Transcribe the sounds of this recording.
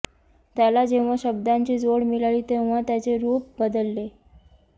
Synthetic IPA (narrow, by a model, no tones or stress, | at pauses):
t̪jalad͡ʑeʋʋaɕəb̚d̪aɲt͡ɕiːd͡zoɽmilaɭiːt̪eʋʋ̤at̪jat͡seɾuːp̚bəd̪əlːe